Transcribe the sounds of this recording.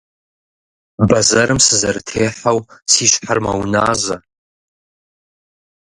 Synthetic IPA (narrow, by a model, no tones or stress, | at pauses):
bɐzɐɾɨmsɨzɐɾɨtʰeːħawsiːɕħarmɐ̰wnaːzɐ